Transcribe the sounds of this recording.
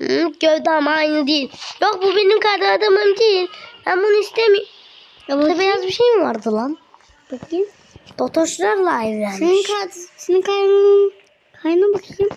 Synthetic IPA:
ɟøvd̪amajnɯd̪ijilʲjok̚bubenimkʰajd̪ɯnad̪amɯmd̪ejilʲhæmbunuist̪emij̪ | ɛbijazbiʃejmivaɾd̪ɯlˠam | baki | d̪̥ot̪ʰoʃlˠaɾlˠaːivjaːneikʰasenikʰajnɯɯ | kʰajnɯbakʰjim

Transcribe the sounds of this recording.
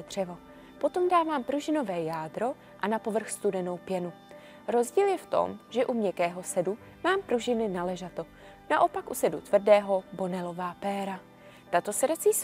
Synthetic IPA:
d̪r̝̥ɛvo̞ | po̞t̪o̞mdaːvaːmpɾuʒɪno̞vɛːjaːdɾo̞ | ʔanapo̞vr̩xst̪udɛno̞wpjɛnu | ɾo̞zɟiːljɛft̪o̞̰mʒɛʔumɲɛkɛːɦo̞sɛdu | maːmpɾuʒɪnɪnalɛʒat̪o̞ | naʔo̞pakʔusɛdut̪vr̩dɛːɦo̞bo̞nɛlo̞vaːpɛːɾa | t̪at̪o̞sɛdat͡siːs

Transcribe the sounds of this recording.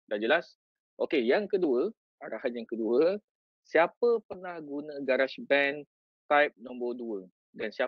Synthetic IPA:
dad͡ʒəlas | ʔokejaŋkəduə | aɾahanjaŋkəduə | siapəpərnãhɡunə̃ɡaɾaʃbɛn | t̪ajp̚nɔ̃mbərduə | dansia

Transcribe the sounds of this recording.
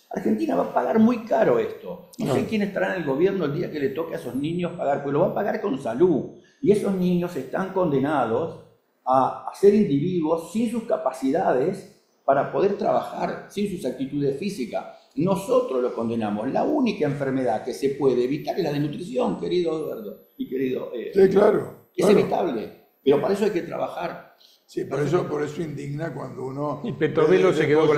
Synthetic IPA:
a̰ɾxent̪inaβapaɣaɾmujkaɾo̞est̪o̞nosekjenest̪aɾanelɣo̞βjeɾnoeld̪iakelet̪o̞keaesozniɲospaɣaɾpeoloβapaɣaɾko̞nsalu | ieso̞sniɲo̞se̞st̪aŋko̞nd̪enað̞o̞s | aːseɾind̪iβiðwo̞sːins̬uskapasiðað̞es | paɾapo̞ð̞e̞ɾt̪ɾaβaxa̰ɾsinsusak̚t̪it̪uðesfisika̰ | no̞so̞t̪ɾoloskond̪enamo̞sla̰unikaeɱfeɾmeðakesepwe̞ðeːβit̪aɾeslaðenut̪ɾisjo̞ŋkeɾiðoaðweɾðo̞ | ikeɾiðo̰ʔesiklaɾo | easeβit̪aβle | peɾo̞paɾaes̬oajke̞t̪ɾa̰βaxaɾ | sipoɾes̬opoɾesoind̪iɣnakwand̪ounoipet̪oβelosekeðoko

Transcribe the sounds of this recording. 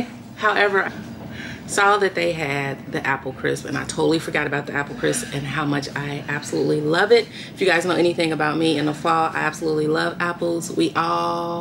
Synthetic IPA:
haʊʔɛvə˞a | sɔðɨt̪̚ðeɪɨd̪̚ðiʔæpl̩ˠkʰɹ̥ɪ̰spɨ̰̃na̰ɪtʰoʊɾl̩ˠifə˞ɡɑɾɨbaʊt̪̚ðiæpl̩ˠkʰɹ̥ɪspɨ̃nɦaʊmʌt͡ʃaɪʔæb̥səlutˡlilʌvɪt̚ | ɪfjɨɡaɪznoʊɛ̃niθɪ̃ŋɨbaʊt̚miɨ̃nðəfɔlˠa̰ɪʔæb̥səlutˡlilʌvæpl̩ˠz̥wiʔɔlˠ

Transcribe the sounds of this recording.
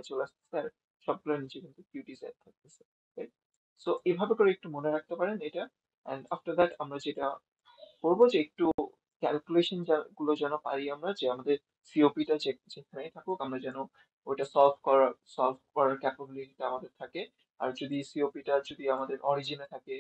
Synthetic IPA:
azolastɛ̥sɛaɹ | sɔb̚ɡulanizɛkint̪ubjutizat̚t̪ʰːak̚t̪ɛsɛ | ɹajt̚ | soʔejbʱabɛkɔɹɛɛk̚tumɔnɛɹak̚ʰt̪ɔpaɹɛnejta | ɛ̰nda̰ftad̪ɛtamɹazeta | koɹbɔzeːk̚tu | kɛlkjuleʃɔnzaɡulɔzanɔpa̰ɹiamɹazɛamadɛɹ | siopitazikʰanajt̪ʰakʊkamɹazanɔ | ojtasɔlpʰkɔɹasɔlpʰkɔɹaɹkɛpabilititaamad̪ɛɹt̪ʰakɛ | a̰ɹzod̪isiopitazod̪iamad̪ɛɹʔɔɹizinɛt̪ʰakɛ

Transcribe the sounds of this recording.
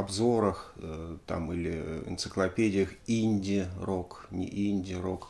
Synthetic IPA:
ɐbzo̞ɾəxt̪a̰milʲɪ̰ɪ̰nt̪sɨ̥klˠɐpʲedʲɪjəxinʲdʲɪroknʲɪ̰ʔinʲdʲɪɾok

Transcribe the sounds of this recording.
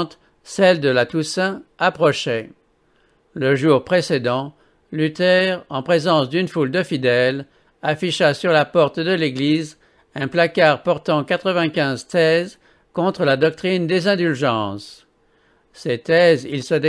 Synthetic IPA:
t̪ | sɛld̪əlat̪usɛ̃apχɔʃɛ | ləʒuʁpχesed̪ɑ̃ | lyt̪ɛʁɑ̃pχezɑ̃sd̪ynfuld̪əfid̪ɛl | afiʃasyʁlapɔʁt̪d̪əleɡliz | ɛ̃plakaʁpɔʁt̪ɑ̃kat̪χəvɛ̃kʲɛ̃zt̪ɛz | kɔ̃t̪χəlad̪ɔk̚t̪χind̪ezɛ̃d̪ylʒɑ̃s | set̪ɛzilsəd̪e

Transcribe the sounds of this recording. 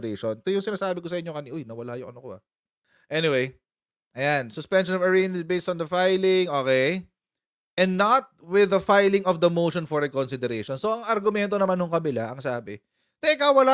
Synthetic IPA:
ɾeʃont̪ojʊŋsɪnaːsaːbɪkosɐʔɪɲːokɐniʔojnɐwɐlajʊ̰ŋʔɐnokoɐ̰ | ʔɛnɪwej | ʔɐjansʊspɛnʃɔnɔvɐɹenbejst̪ɔnd̪ɐfajlɪŋʔo̞ːkɛj | ʔɛ̃nd̪ːɐt̪̚wɪðɐfajlɪŋɔfd̪ɐmowʃonfɔɹɛkonsɪd̪ɛɾeʃonsoɐŋɐɾɡʊmɛnt̪onɐmanhʊŋkɐbɪlaʔɐŋsaːbɪ | t̪ɛʔɪkɐwwɐla

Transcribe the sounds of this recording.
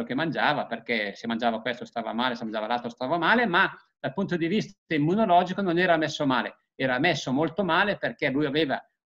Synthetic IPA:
ok̟emːand͡ʒaːvaperkesemand͡ʒaːvakwest̪ost̪aːva̰maːlesemːand͡ʒaːvalalt̪ɾost̪aːvamaːlemad̪̥alpunt̪̬od̪ivist̪at̪emːunolɔːd͡ʒikononɛːɾamɛsːomaːle | ɛːɾamɛsːomolt̪omaːleperkelujaveːva

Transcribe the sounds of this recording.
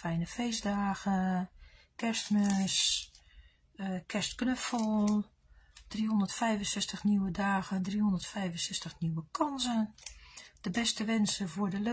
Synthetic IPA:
fɛjnəfejzdaːɣə | kɛstmøs | kʰɛstknøfɔlˠ | d̥rihondətfɛjvənsɛstəxniwədaːɣəndrihondərtfɛjvənsɛstəxniwəkʰɔnsən | d̥əbɛstəʋɛnsəvʊɹdəlø

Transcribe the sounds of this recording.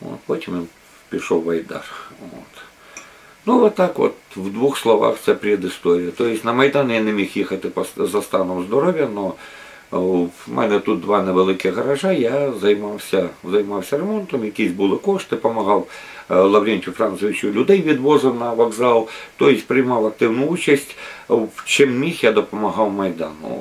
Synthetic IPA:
o̰t̪pot̪ʲɪmjo | pʲɪʂowʋɐjd̪a̰rʋo̰t̪ | nuʋɔt̪ːakʋo̰t̪ʋd̪ʋuxslˠɐʋa̰xt̪sʲɛpʲɾʲɪd̪ɪst̪oɾʲɪjɐt̪ojɪsʲnɐmɐjd̪anjanʲɪmʲixjixɐt̪ɪpɐszɐst̪anʊwzd̪ɔɾoʋʲjɐno | mʔɛ̰nɛt̪ut̪̚d̪ʋanɛʋɪlˠɪkʲɪɣɣɐɾɐʐajazɐjmawsʲɐzɐjmawsʲɐɾɛmɔnt̪ɐmjɐkʲisʲbʊlˠɪkɔʂt̪ɪpɐmɐɦɑw | lˠɐwɾʲenʲtʲʊfɾansɔʋʲɪt͡ʃʊlʲʊd̪ɛjʋʲid̪ʋɔzɐnɐʋɐɡzalˠt̪ɔjɪsʲpɾɪjmɑwɐk̚t̪ɪwnʊut͡ʃɐsʲtʲ | t͡ʃɪmmʲixjad̪ɔpɐmɐɦɑwmɐjd̪a̰nʊ̰

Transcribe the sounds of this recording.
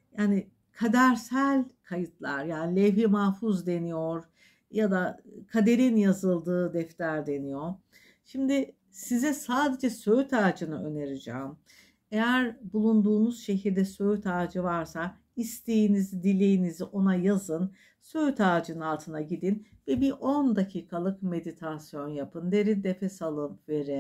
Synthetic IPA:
jaːni | kʰad̪æɾsælʲkʰajɯt̪ʰlˠa̰ɾjaːnilʲɛvjimaːfuzd̪e̞nijo̞ɾ̥ | jad̪akʰad̪e̞ɾinjazɯlˠd̪ɯːd̪ɛft̪ʰæɾd̪e̞nijo | ʃimd̪ɪ | sizɛsaːd̪e̞d͡ʒɛsøjt̪ʰaːd͡ʒɯnɯø̞neɾid͡ʒa̰ːm | e̞jæɾbulˠund̪uːnuz̥ʃe̞ɦiɾd̪ɛsø̞jt̪ʰaːd͡ʒɯvaɾsa | ist̪ʰe̞jinizd̪ilʲe̞jiniziʔo̞najazɯn | søjt̪ʰaːd͡ʒɯnɯalˠt̪ʰɯnaɟid̪in | vɛbiɾʔo̞nd̪acʰiːkʰalˠɯkme̞d̪it̪ʰasjo̞njapʰɯnd̪e̞ɾind̪efʰɛsalˠɯmve̞ɾɛ

